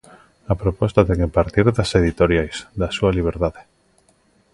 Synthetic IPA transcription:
apɾopost̪aðeŋepaɾt̪iɾðaseðit̪oɾjajzðasualiβ̞eɾt̪aðe

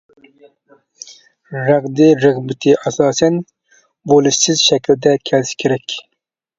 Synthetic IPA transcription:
ɾæʁd̪ɪɾɨʁbɪt̪ʰɪʔɑsɑːsɛn | bolˠɨʃsɪzʃɛkʰʲld̪ɛkʲʰɛlskʲʰeɾɛkʲ

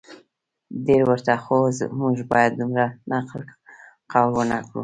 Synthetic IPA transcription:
deɾwəɾt̪axozmuʒbɑjad̪̚ːumɾanaql | qawɾunakɽṵ

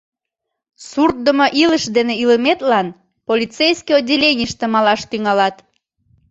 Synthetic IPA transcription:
surt̪̚d̪əmoʔiləʃd̪eneiləmet̪lɑn | polʲit͡sejskijodʲelʲenʲiʃt̪emɑlɑʃt̪yŋɑlɑt̪

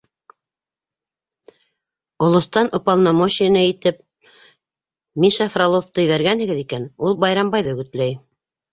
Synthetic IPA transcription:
ŏlˠŏst̪ɑnʔŏpɑlˠnɑmoɕinɑit̪ɘp̚ | miʃɑfralˠoft̪ɤ̆jβæɾɡænhɘ̆ɡɘ̆ðikænulˠbɑjɾɑmbɑjðɵ̆ɡɘ̆t̪læj

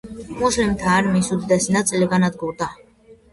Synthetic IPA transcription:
muslimt̪ʰaːɾmisud̪id̪asinat̪sʼliɡanad̪̚ɡuɾd̪a

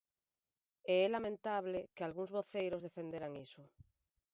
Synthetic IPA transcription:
eɛlamẽnt̪aβ̞lekealɣuŋzβoθejɾozðefend̪eɾaŋiso

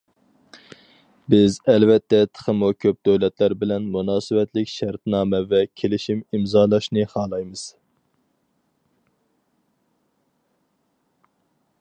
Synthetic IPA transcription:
bɪzɛlvɛt̪ʰːɛt̪ʰə̥χʰəmukʲʰøp̚d̪øwlɛt̪læɾbɪlɛnmunɑːsɨwɛt̪lɪkʲʃæɾt̪nɑːmɛvɛkʲʰelɪʃimimzɑːlˠɑʃnɨχɑːlˠɑjmɨz̥

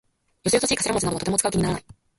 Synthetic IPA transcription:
joseos̬oɕiːkaseɾamot͡sɨnad̪otot̪emot͡sɨ̥kaɯ̟kiɲ̟inaɾanai

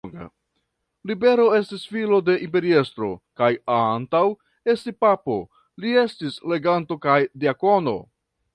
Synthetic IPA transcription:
ɡa̰ | libe̞ɾo̞e̞stisfilo̞de̞ʔimpe̞ɾie̞st̪ɾo̞̰kajantaw | e̞stipapo̞ | lie̞stisle̞ɡanto̞kajdiako̞no̞̰

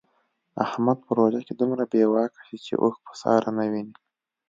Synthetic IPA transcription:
a̰hmad̪̚pəɾoʒaked̪umɾabewɑkḁʃit͡ʃḛʔoxpə̥sɑ̰ɾanawini

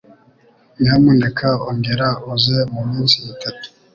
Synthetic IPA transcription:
ɲamuːndekʰaoŋɡeɾaozemumiːnsiːtʰatu̥

